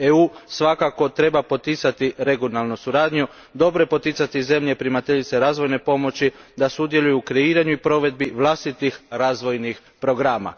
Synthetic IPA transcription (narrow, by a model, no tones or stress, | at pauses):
euːsʋakako̞t̪ɾe̞bapo̞t̪it̪sat̪iɾe̞ɡjonalˠnusuɾaːd̪ɲu | d̪o̞bɾe̞po̞t̪it̪sat̪ize̞mʎepɾimat̪eʎit̪seɾaːzʋo̞jne̞po̞mo̞t͡ɕid̪asud̪jelˠujukɾeiːɾaɲuipɾo̞ʋe̞d̪̚biʋlˠast̪it̪ixɾaːzʋo̞jnix | pɾo̞ɡɾaːma̰